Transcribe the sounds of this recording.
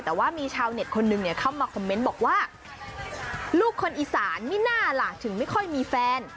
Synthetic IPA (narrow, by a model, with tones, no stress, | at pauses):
t̪ɛː˨˩waː˥˩miː˧t͡ɕʰaː˧wne˨˩t̪̚kʰo˧nːɯ˧ŋni˧˥˩əkʰa˥˩wmaː˧kʰɔ˧mːe˦˥nbɔː˨˩k̚waː˥˩ | luː˥˩kʰːo˧nʔiː˨˩saː˩˦nmi˥˩naː˥˩laː˨˩k̚t̪ʰɯ˩˦ŋma˥˩jkʰɔ˥˩jmiː˧fɛː˧n